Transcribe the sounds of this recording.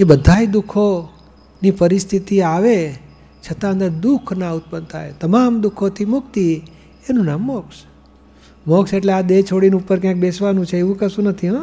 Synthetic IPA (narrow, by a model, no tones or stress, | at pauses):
ebəd̪ʱaid̪ukʰo | nipəɾist̪ʰit̪iaʋe | t͡ʃʰət̪ãənd̪əɾd̪ukʰnaut̪̚pənd̪t̪ʰa̰et̪əmamd̪ukʰot̪ʰimʊk̚t̪i | enũnamːɔks | mɔkseʈlead̪et͡ʃʰoɽinũːpəɾk̬jãk̚besʋanũt͡ʃʰeeʋũkəsũnət̪ʰiɦɔ